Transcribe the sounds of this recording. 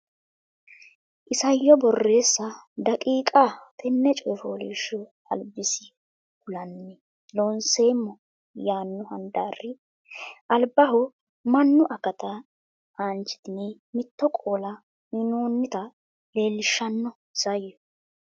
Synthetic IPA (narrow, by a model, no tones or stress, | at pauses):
ʔɪsɐjːɔbɔrːe̞ːsːɐd̪ɐkʼiːkʼat̪ʰɛnːɛt͡ʃʼɔjfoːliːʃɔ | ɐ̰lbɪsɪ | kʊlɐnːɛ | loːnse̞ːmːɔ | jaːnːʊhɐ̰nd̪aːrːɪ | ʔɐlbɐɦʊ | mɐnːʊʔɐkɐt̪ɐ | aːnt͡ʃːɪ̥d̪ɪne | mɪt̪ːɔkʼoːlɐ | mɪnoːnːɪt̪ɐ | le̞ːlːɪʃːɐnːɔ | sɐjːɔ